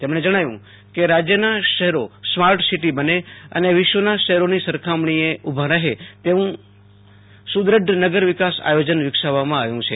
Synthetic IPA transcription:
t̪emɽ̃ed͡ʒəɽ̃aʋjṵ̃ | keɾad͡ʒjənaʃəɦɛɾosmaɾʈsiʈibəneə̰neʋɪʃʋənaʃəɦɛɾonisəɾkʰamɳ̃ieubʱaɾəɦet̪eʋũ | sud̪ɾəɖ̪nəɡəɾʋɪkasa̰jod͡ʒənʋɪkʃaʋamãaʋjũt͡ʃʰe

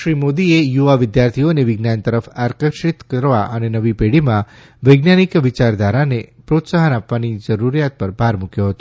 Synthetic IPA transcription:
ʃɾimod̪iejuʋaʋɪd̪jaɾt̪ʰijoneʋɪɡnant̪əɾəfaɾkəʃɪt̪kəɾʋa̰ʔənenəʋipeɽimã | ʋəjɡnanikʋɪt͡ʃaɾd̪aɾanepɾot̪saɦənapʋanid͡ʒəɾuɾjat̪̚pəɾbʱaɾmukjoɦət̪o̥

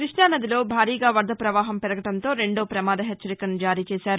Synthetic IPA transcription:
kɾiʂɳaːnɐd̪ilo̞ːbʱaːɾiːɡaːʋɐɾd̪ʱɐpɾɐʋaːɦɐmpɛɾɐɡɐʈɐnt̪o̞ːɾe̞ɳɖoːpɾɐmaːd̪ɐɦet͡ʃːɐɾikɐnd͡ʒaːɾiːt͡ʃeːsaːɾu

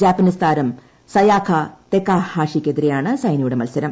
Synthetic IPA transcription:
d͡ʑaːpɐnist̪ʰaːɾɐm | sɐjaːkʰɐt̪ekːaːhaːʂikʲːed̪iɾejaːɳɨsɐjnɐjuɽemɐlsɐɾɐm

